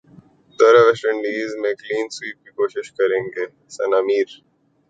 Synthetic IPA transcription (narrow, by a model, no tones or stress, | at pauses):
t̪ɐɾɐʋɛsʈə̃ɳɖiːzmẽkliːnswiːp̚kikoːʃɪʃkɐɾẽːŋɡeː | sɐnaːmiːɾ